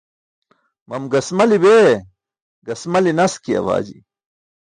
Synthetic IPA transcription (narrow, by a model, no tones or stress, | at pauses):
mɐmɡɐsmɐlibeː | ɡɐsmɐlinɐskiɐ̰ʋa̰ːd͡ʑi